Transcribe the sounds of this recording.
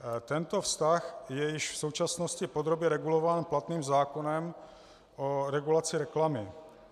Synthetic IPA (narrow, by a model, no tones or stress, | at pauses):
t̪ɛnt̪o̞fst̪axjɛjɪʃfsowt͡ʃasnoscɪpod̪ɾo̞bjɛɾɛɡulovaːnplat̪niːmzaːkonɛm | oɾɛɡulat͡sɪɾɛklamɪ